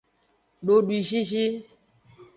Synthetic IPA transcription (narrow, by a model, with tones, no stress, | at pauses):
ɖo˨ɖwi˨ʒi˦ʒi˦